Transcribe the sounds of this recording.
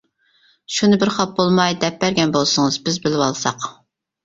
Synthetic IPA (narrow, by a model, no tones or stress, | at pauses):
ʃunɨbɪɾχɑp̚bolˠmɑjd̪ɛp̚bæɾɡʲɛnbolˠsɨŋɨz̥bɪzbɪlɪwɑlˠsɑq